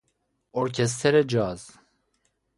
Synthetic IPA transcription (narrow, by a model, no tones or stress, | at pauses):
oɾkʲʰɛs̬t̪ʰɛɾɛd͡ʒɑːz̥